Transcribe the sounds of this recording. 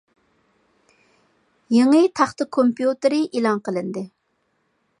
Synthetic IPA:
jeŋɨt̪ʰæχt̪ɪkʰompjut̪ɪɾɪʔelˠɑŋqəlˠɨnd̪ɪ

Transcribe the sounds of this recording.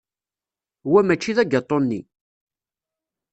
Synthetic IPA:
wæmæt͡ʃːiðæɡɑt̪ˤːonːḭ

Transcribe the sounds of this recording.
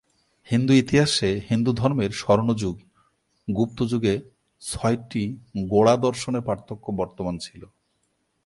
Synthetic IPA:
hind̪uit̪iɦaʃehind̪ud̪ʱɔɾmeɾʃɔɾnod͡ʑuɡ | ɡup̚t̪od͡ʑuɡe | t͡ɕʰɔjʈiɡoɽad̪ɔɾʃoneɾpɾaɾt̪ʰːokːobɔɾt̪omant͡ɕʰilo

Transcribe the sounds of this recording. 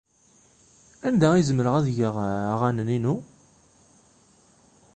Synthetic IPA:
ænd̪æizəmɾəʁæðʝəʁʁænəninu

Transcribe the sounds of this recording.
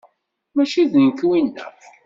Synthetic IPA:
mæʃiðnkwinːə̰f

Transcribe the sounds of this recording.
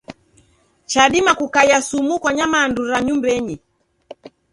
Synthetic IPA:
t͡ʃaɗimakukajasumukwaɲamaːnduɾaɲumbɛɲi

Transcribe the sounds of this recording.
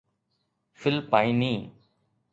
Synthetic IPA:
fɪlpaːĩːnĩː

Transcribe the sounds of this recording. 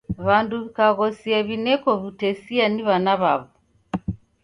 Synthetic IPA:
βanduβikaɣɔsiaβinɛkɔβutɛsianiβanaβaβɔ

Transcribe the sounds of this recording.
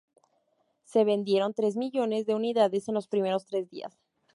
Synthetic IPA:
se̞βe̞nd̪je̞ɾo̞nt̪ɾe̞zmiʝo̞ne̞zðe̞uniðaðe̞se̞nlo̞spɾime̞ɾo̞st̪ɾe̞zðḭa̰s

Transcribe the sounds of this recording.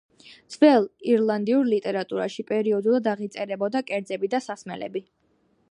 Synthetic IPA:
d̪z̥vɛlˠiɾlˠand̪iuɾlit̪ʼɛɾat̪ʼuɾa̰ʃipʼɛɾiɔd̪ulˠad̪aʁit̪sʼɛɾɛbɔd̪akʼɛɾd̪zɛbid̪asasmɛ̰lɛ̰bi

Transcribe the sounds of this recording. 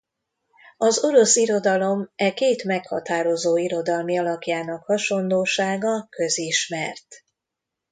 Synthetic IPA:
ɒzo̞ɾo̞siɾo̞d̪ɒlo̞mɛkeːt̪mɛkhɒ̰t̪aːɾo̞zoːiɾo̞d̪ɒlmiɒlɒkjaːnɒkhɒʃo̞nloːʃaːɡɒkø̞ziʃmɛrt̪

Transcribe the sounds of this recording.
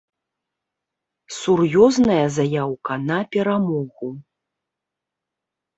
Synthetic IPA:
surjɔznɐjɐzajawkɐnɐpʲɛɾamɔɣu

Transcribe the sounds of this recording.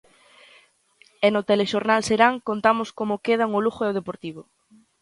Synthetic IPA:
enot̪eleʃoɾnalseɾaŋkont̪amoskomokeð̞aŋoluxʊeoðepoɾt̪iβ̞o

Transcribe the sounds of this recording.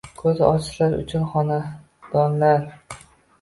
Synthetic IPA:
kʰɵzɒ̰t͡ʃ̪laɾʊ̰t͡ʃʰʊnχɒna | d̪̥ɒnlaɾ

